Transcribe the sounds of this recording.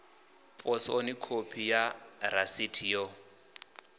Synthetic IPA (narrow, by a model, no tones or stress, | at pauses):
pʼɔsonikʰopʰijaɾasitʰijɔ